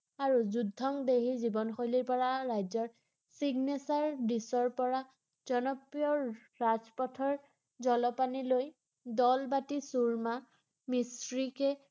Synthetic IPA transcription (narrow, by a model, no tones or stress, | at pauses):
aɹuzudʱːɔŋdeɦizibɔnxojliɹpɔɹaɹajzɔɹ | siɡnesaɹbisɔɹpɔɹa | z̥ɔnɔpɹijɔ | ɹazpɔtʰɔɹ | zɔlɔpaniloj | dɔlbatisuɹma | misɹikɛ